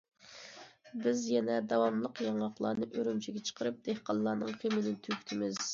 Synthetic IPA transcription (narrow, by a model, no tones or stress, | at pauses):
bɪzjɛnɛd̪ɑwɑmlˠəqjɑŋɑqlˠɑ̰ːnɨʔøɾymt͡ʃʰiɡʲɛt͡ʃʰə̥qʰəɾɨp̚d̪̥ehqɑlˠːɑːnɨŋχemɪnɪt̪ʰykʲt̪ʰɪmɪz̥